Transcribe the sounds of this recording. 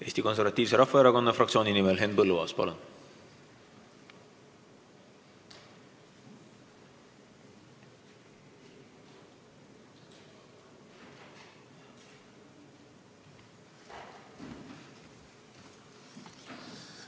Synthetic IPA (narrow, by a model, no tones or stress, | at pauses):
e̞ːsʲt̪iko̞ns̬eɾvɑt̪ʲːˑiːvs̬e̞ɾɑhfɑeɾɑko̞nːɑfrɑktsioːninimelɦe̞n̚pɤlːuɑːspɑ̰lun